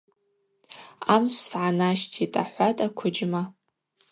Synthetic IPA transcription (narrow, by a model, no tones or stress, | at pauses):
amʃʷsʕanaʃtʰitʼaħʷatʼakʷʰʊd͡ʒma